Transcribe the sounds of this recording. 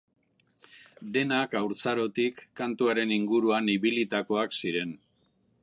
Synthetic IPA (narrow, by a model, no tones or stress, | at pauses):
d̪e̞nakawɾt͡saɾo̞t̪ikːant̪uaɾe̞niŋɡuɾuaniβilit̪ako̞aksiɾe̞n